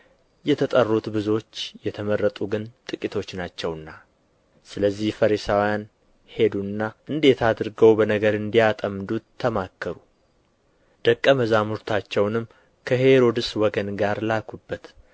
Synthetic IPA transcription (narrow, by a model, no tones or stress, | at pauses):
jɛt̪ʰət̪ʼərːut̪bɨzo̞t͡ʃːjɛt̪ʰəmərːət̪ʼuɡɨnt̪ʼɨkʼit̪ʰo̞t͡ʃːnat͡ʃːɛwɨnːa | sɨləzːihfəɾisawjan | he̞d̪uɨnːaʔɨnd̪e̞t̪ʰad̪ɾɡəwbənəɡəɾɨnd̪ijat̪ʼəmd̪uːəmakʰːəɾu | d̪̥əkʼːəməzamuɾt̪ʰat͡ʃːɛwnɨm | kʰəɦe̞ɾo̞d̪ɨswɔɡənɡaɾlakʰubːət̪